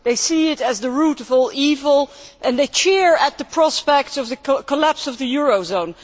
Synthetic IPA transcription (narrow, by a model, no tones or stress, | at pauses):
ðeɪsiɪɾɨzðəɹuɾʌvɔlˠivəl̩ˠʔɨ̃nðeɪt͡ʃɪɹət̪̚ðəpʰɹ̥ɑspɛk̚tsʌvðɨkʰəlæpsʌvðɨjʊɹoʊzõʊ̃n